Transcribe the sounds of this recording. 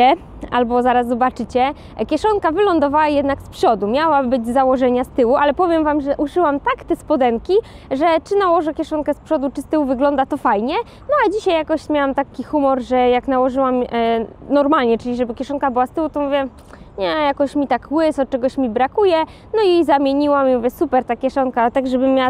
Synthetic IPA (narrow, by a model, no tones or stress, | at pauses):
ɛ | a̰lbɔzaɾasːɔbat͡ʂɘt͡ɕɛ | kʲjɛʂɔŋkavɘlɔnd̪ɔvawajɛd̪nakspʂɔd̪umʲjawabɘd͡ʑzawɔʐɛɲast̪ɘwuʔalɛpɔvʲjɛmvamʐɛʔuʂɘwamt̪akt̪ɛspɔd̪ɛŋkʲi | ʐɛt͡ʂɘnawɔʐɛkʲɛʂɔnkɛspʂɔd̪ut͡ʂɘst̪ɘwuvɘɡlɔnd̪at̪ɔfajɲɛ | nɔad͡ʑiɕajːakɔɕmʲjawamt̪akʲixumɔɾʐɛjaknawɔʐɘwam | nɔɾmalɲɛt͡ʂɘlʲiʐɛbɘkʲjɛʂɔnkabɘwast̪ɘwut̪ɔmuvʲjɛ | ɲɛjakɔɕmʲit̪akwɘsɔt͡ʂɛɡɔɕmʲibɾakujɛ | nɔizamʲjeɲiwamimuvʲjɛsupɛɾt̪akʲjɛʂɔŋkat̪aɡʐɛbɘmʲːjawa